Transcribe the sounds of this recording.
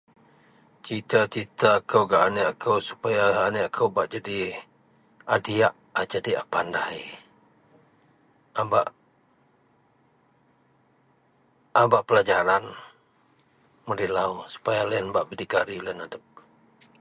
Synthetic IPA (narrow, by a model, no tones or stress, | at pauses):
t͡ʃit̪at͡ʃit̪aːkəwɡaʔaneʔakʰəwsu̥pajaaːnəakʰəwbaʔd͡ʒadi | adiaʔ | ad͡ʒadia̰pandah | abaʔ | abaʔpəlad͡ʒaɾan | məɾilawsu̥pajalaənbaʔbədikaɾilənadəp̚